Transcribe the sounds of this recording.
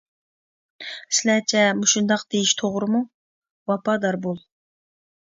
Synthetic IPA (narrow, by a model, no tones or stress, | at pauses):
sɪlɛt͡ʃʰɛmuʃund̪ɑqd̪̥ejiʃt̪ʰoʁɾɨmu | wɑpɑd̪ɑɾbolˠ